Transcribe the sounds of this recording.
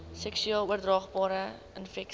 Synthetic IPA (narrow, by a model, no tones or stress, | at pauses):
sɛksyɛlˠuərdrɑːχbɑːɾə | ənfɛk